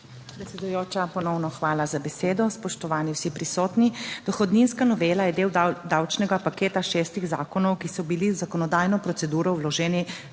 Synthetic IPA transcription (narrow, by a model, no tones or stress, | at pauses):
pɾɛt̪sɛd̪ujoːt͡ʃapɔnɔwnɔxʋaːlazabɛseːd̪ɔspɔʃt̪ɔʋaːniwsipɾisɔːt̪nid̪̥ɔxɔd̪ninskanɔʋeːlajɛd̪eːwd̪awt͡ʃnɛɡapakeːt̪aʃɛːst̪iɣza̰ːkɔnɔwkisɔbiliwzakɔnɔd̪aːjnɔpɾɔtsɛd̪uːɾɔwlɔʒɛːni